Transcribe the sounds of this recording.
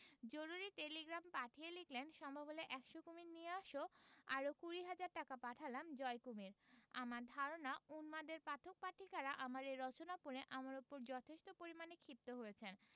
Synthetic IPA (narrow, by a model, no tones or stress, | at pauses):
d͡ʑoɾuɾiʈeliɡɾampaʈʰieliklenʃɔmbʱabʱoleʔɛkʃokumiɾnieaʃoaɾokuɾiɦad͡ʑaɾʈakapaʈʰalamd͡ʑɔekumiɾa̰maɾd̪ʱaɾonaunmad̪eɾpat̪ʰok̚paʈʰikaɾaʔamaɾeɾɔt͡ɕonapuɾeʔamaɾupoɾd͡ʑɔt̪ʰeʃt̪opoɾimanekʰip̚t̪oɦojet͡ɕʰen